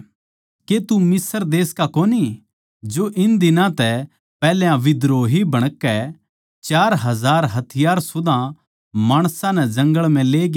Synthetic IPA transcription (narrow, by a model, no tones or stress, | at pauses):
ket̪umɪsəɾd̪eːskakoːni | d͡ʒoʔɪnd̪ɪnãt̪ɛ | pɛːljãʋɪd̪ɾoːɦibɐɽ̃əkːɛ | t͡ʃaːɾɦɐzaːɾɦɐt̪ʰɪjaːɾsʊd̪ã | maːɽ̃sãnɛd͡ʒɐ̃ŋɡəɭmɛ̃leːɡ